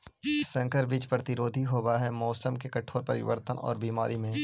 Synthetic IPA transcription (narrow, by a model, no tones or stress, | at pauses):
sɐ̃ŋkəɾʋɪt͡ʃpɾɐt̪ɪɾoːd̪ʱiɦoːbaɦɛmɔːsəmkekɐʈʰoːɾpɐɾɪ̰ʋə̰ɾt̪ənɔ̰ːɾbiːma̰ːɾimẽː